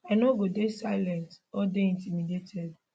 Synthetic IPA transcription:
ɛnoɡodesaɪlɛnt | ɔdeĩntimidetʰɛd

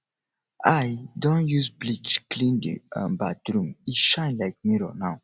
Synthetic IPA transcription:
ajdɔ̃njuzblit͡ʃklĩndḭã̰nbadɾũmiʃãɪ̃nlaɪk̚miɹɔnaw

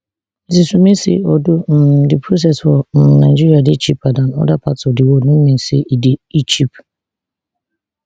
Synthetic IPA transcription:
zisumesɪ̰ɔdʊm̩dɪpʰɾos̬ɛsfɔnaɪd͡ʒiɾiadɪt͡ʃipadanɔ̰dapatɔdɪwodnʊm̩men̩sɪ̰ʔideit͡ʃip

